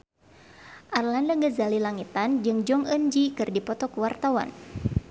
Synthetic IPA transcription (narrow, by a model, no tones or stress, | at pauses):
ʔarlandaŋɡəzalilaŋit̪and͡ʒɨŋd͡ʒɔŋənd͡ʒikɨrdipɔt̪ɔkuwart̪awa̰n